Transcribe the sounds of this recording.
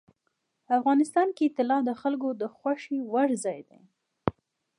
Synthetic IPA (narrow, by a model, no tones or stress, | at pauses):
afɣɑnɪst̪ɑnket̪ɪlɑd̪əxalkod̪əxwaʃiwaɽzɑjd̪ḛ